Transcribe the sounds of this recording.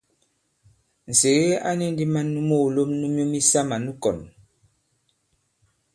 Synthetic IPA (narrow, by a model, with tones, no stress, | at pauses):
n̩˨se˨ɣe˦a˦ni˦n̩˦di˦ma˦nːu˦mo˦˨lo˦mnu˦m˦o˦mi˦sa˦ma˨nu˦kɔ˨n